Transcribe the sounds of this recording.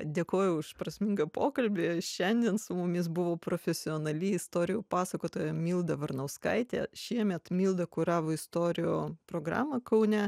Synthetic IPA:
d̪ʲeːkoːjʊʊʃpɾɐsʲmʲɪŋɡɐpoːkɐlʲbʲɪʃʲɛnʲd̪ʲiɛnsʊmʊmʲɪs̬bʊʋoːpɾoːfʲɛsʲɪoːnɐlʲɪɪst̪oːɾʲɪjuːpɑːsɐkoːt̪oːjɛmʲiːlˠd̪ɐʋɐɾnɐʊskɐɪt̪ʲḛːʃʲiɛmʲɛt̪mʲiːlˠd̪ɐkʊɾɑːʋoːɪst̪oːɾʲɪjoːpɾoːɡɾɑ̰ːmɐkɐʊnʲɛ

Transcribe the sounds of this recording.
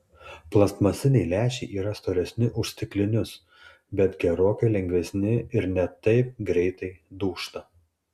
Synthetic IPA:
plˠɐst̪mɐsʲɪnʲɛɪlʲæːʃʲɛɪʔiːɾɐst̪oːɾʲɛsʲnʲɪʔʊʃʲst̪ʲɪklʲɪnʲʊs | bʲɛt̪ɡʲɛɾoːkɐɪlʲɛŋʲɡʲʋʲɛsʲnʲɪɪɾnʲɛt̪ɐɪp̚ɡɾʲɛɪt̪ɐɪd̪uːʃt̪ɐ

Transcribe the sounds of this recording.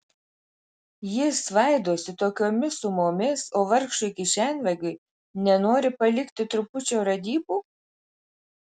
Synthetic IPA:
jɪsʋɐˑɪd̪oːsʲɪt̪oːkʲoːmʲɪsʊmoːmʲɪsoːʋɐɾkʃʊkʲɪʃʲænʲʋʲɛɡʲʊɪ | nʲɛnoːɾʲɪpɐlʲɪkt̪ʲɪt̪ɾʊpʊt͡ʃʲoːɾɐd̪ʲiːbuː

